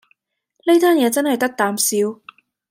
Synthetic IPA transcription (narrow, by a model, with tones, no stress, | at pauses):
ne˥t̪aː˥njɛː˨˧t͡sɐ˥nhɐ˨˩jt̪ɐ˥k̚t̪aː˨˧msiː˨˧w